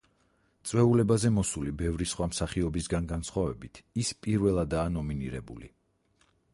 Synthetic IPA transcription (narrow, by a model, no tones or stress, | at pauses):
t̪sʼwɛulɛbazɛmɔsulibɛvɾisχwamsaχiɔbisɡanɡansχwavɛbit̪ʰispʼiɾvɛlˠad̪aːnɔminiɾɛ̰bṵlḭ